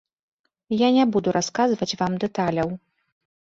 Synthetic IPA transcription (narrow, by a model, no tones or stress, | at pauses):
janʲɛbud̪uɾʔaskazvɐt͡sʲvamd̪ɛt̪alʲɐw